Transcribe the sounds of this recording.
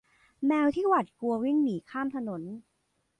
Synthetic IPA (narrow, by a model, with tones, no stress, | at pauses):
mɛː˧wt̪ʰiː˥˩wa˨˩t̪̚ku˧ɐwi˥˩ŋniː˩˦kʰaː˥˩mt̪ʰa˧no˩˦n